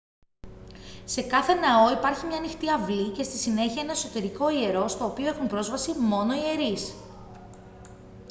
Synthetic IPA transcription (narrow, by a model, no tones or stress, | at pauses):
se̞kɐθe̞nɐo̞ipɐɾçimɲɐːnixt̪iɐvlice̞st̪isine̞çiɐenɐeso̞t̪e̞ɾiko̞ie̞ɾo̞st̪o̞ːpioexumpɾo̞zvɐsimo̞no̞ie̞ɾis